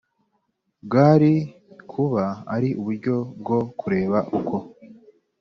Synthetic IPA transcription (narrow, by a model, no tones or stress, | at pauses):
bɡaɾi | kʰuβaa̰ɾiʔuβuɾɟo̞b̚ɡo̞kʰuɾe̞ːβaʔukʰo̞